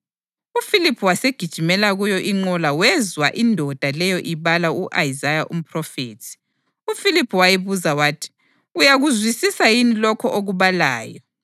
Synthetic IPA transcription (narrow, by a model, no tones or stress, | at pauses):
ufilipʰuwaseɡ̥ʱid̥ʒ̥ʱimɛlaɣujɔʔiŋ͡ǃɔlawɛzwaʔindʱɔd̥ʱalɛjɔʔiβalauʔajizajaʔum̩pʰrɔfeːtʰi̥ | ufilipʰuwajiβuzawaːtʰi̥ | ujaɣuzwisisajinilɔkʰɔʔoɣuβala̰ːjɔ